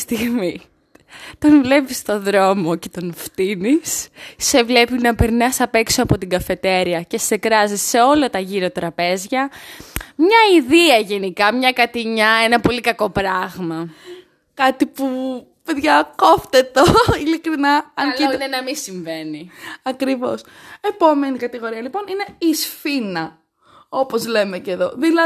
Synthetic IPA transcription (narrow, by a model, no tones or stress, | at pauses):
st̪iɣmi | t̪o̞nvle̞pist̪o̞ðɾo̞mo̞ce̞t̪o̞nft̪inisse̞vle̞pinɐpeɾnɐsɐpe̞ksoɐpo̞t̪iɡɐfe̞t̪e̞ɾiɐce̞sekɾɐzisːe̞o̞lɐt̪ɐʝiɾot̪ɾɐpe̞zʝɐ | mɲɐiðiɐʝe̞nikɐmɲɐkɐt̪iɲɐenɐpo̞likɐko̞pɾɐɣmɐ | kɐt̪ipu | peðʝɐkoft̪et̪oilikɾinɐɐnlinenɐmisiɱveniɐkɾivo̞̰se̞po̞me̞nikɐt̪iɣo̞ɾiɐlipo̞nine̞isfinɐ | o̞po̞zle̞meceðo̞ðilɐ